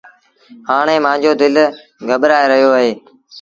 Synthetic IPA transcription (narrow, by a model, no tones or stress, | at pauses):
haːɳ̃ẽːmãːɲd͡ʑoːd̪ɪl | ɡəɓɾaːeɾəɦijoːəɦeː